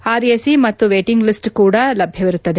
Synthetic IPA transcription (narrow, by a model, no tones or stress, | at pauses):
aːɾiesimɐt̪ːuʋeːʈiŋɡlisʈkuːɽɐlɐbʱjɐʋiɾut̪ːɐd̪e̞